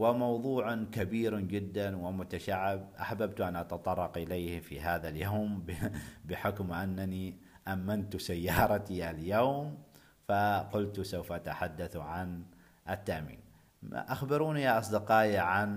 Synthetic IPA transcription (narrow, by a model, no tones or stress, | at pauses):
wɪmɑwðˤuːʕkabiːɾd͡ʒɪd̪ːanwɪmʊt̪aʃaʕːɪbʔa̰ħbabt̪ʔanʔat̪ɑt̪ˤɑrˤːɑqʔɪlejhfḭɦaːðaljawmbbɪħʊkmʔanːani | ʔamːant̪sajːɑːɾˤɑt̪iʔaljawm | faqʊlt̪sawfʔat̪aħad̪ːaθʕan | ʔɪt̪ːaʔmḭːn | ʔaxbɪɾuːnijaʔɑsˤd̪ɪqɑːjaʕan